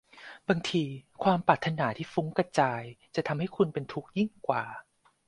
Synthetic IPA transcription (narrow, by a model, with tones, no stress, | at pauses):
baː˧ŋt̪ʰiː˧kʰwaː˧mpɾaː˨˩t̪ʰːa˧naː˩˦t̪ʰiː˥˩fu˦˥ŋka˧t͡ɕaː˧jt͡ɕa˨˩t̪ʰa˧mha˥˩jkʰu˧npe˧nt̪ʰu˦˥k̚ji˥˩ŋkwaː˨˩